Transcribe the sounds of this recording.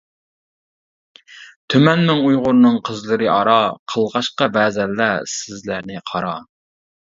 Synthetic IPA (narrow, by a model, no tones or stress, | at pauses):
t̪ʰømɛnmɪŋujʁʊɾnɨŋqʰəzlˠɨɾɨʔɑɾɑqʰəlˠʁɑʃqɑbɛːzɛlːæsɪzlæɾnɪqʰɑɾɑ